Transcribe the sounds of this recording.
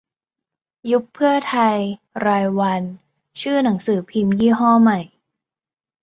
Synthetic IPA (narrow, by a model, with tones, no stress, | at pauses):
ju˦˥kʰːɯ˥˩ɐt̪ʰa˧j | ɾaː˧jwa˧n | t͡ɕʰɯː˥˩na˩˦ŋsɯː˩˦pʰi˧mjiː˥˩ɦɔː˥˩ma˨˩j